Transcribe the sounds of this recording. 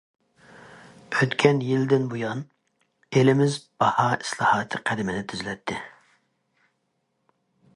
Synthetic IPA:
øt̪kʲʰɛnjild̪ɪnbujɑn | elɪmɪzb̥ɑhɑi̥slˠɑhɑːt̪ʰɨqʰæd̪ɪmɪnɪt̪ʰyzylɛt̪ʰːɪ

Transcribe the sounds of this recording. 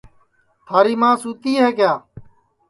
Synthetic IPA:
t̪ʰaːɾiːmãːsuːt̪iːɦeːkjaː

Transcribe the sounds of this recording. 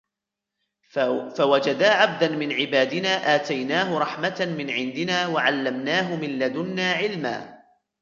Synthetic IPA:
fawad͡ʒad̪aːʕab̚d̪anmɪnʕɪbaːd̪ɪnaːʔaːt̪ajnaːɦʊɾˤɑħmat̪amɪnʕɪnd̪ɪnaːwaʕalːamnaːɦʊmɪlːad̪ʊnːaːʕɪlma̰ː

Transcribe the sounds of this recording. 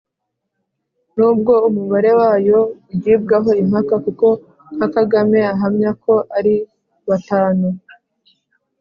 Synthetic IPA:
nuːb̚ɡo̞umuβaɾe̞waːjo̞ujib̚ɡaɦo̞im̥hakakuko̞ | ŋ̥akaɡame̞aɦamɲako̞ʔaɾi | βataːnu

